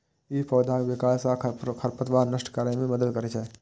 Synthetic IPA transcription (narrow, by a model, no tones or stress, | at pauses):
iːpʰɔːd̪ʱãʋɪkaːsakʰəɾpət̪ʋaːnəʃʈkaɾəẽmẽməd̪əd̪kəɾet͡ʃʰɛ